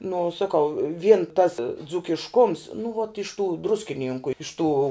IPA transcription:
nʊ sɐˈkɐʊ ʋʲiɛn tɐs d͡zuːkʲɪʃˈkʊms nʊ ʋoːt ɪʃ tuː ˈdrʊsʲkʲɪnʲiːŋkʊ ɪʃ tuː

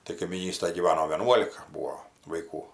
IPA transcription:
tɐɪ kɐɪmʲiːˈnʲiːstɐj ɡʲiːˈʋɑːnoː ʋʲiɛˈnuɔlʲɪkɐ ˈbuːoː ʋɐɪˈkuː

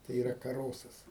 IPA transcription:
tɐɪ iːˈrɐ kɐˈroːsɐs

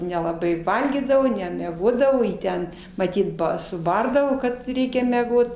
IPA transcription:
nʲɛlˠɐˈbɐɪ ˈʋɐlʲɡʲiːdɐʋoː nʲɛmʲɛˈɡoːdɐʋoː ˈjiː ˈtʲɛn mɐˈtʲiːt ˈbɐ sʊˈbɐrdɐʋoː kɐt ˈrʲɛɪkʲɛ mʲɛˈɡoːt

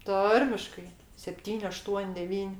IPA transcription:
ˈtɐrʲmʲɪʃkɐɪ sʲɛpʲˈtʲiːnʲ ɐˈʃtuɔnʲ dʲɛˈʋʲiːnʲ

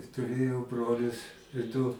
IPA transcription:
tʊˈrʲeːjɛʊ ˈbroːlʲʊs dʊ

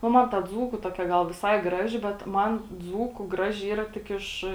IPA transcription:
nʊ ˈmɐn tɐ ˈd͡zuːkʊ ˈtoːkʲɛ ˈɡɐlˠ ʋʲɪˈsɐɪ ˈɡrɑːʒʲɪ bʲɛt ˈmɐn ˈd͡zuːkʊ ˈɡrɑːʒʲɪ ˈiːrɐ tʲɪk ˈɪʃ

